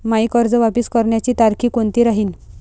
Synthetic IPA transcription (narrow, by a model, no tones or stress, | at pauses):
maikəɾd͡zəʋapiskəɾɳjat͡ɕiːt̪aɾkʰiːkont̪iːɾaɦiːn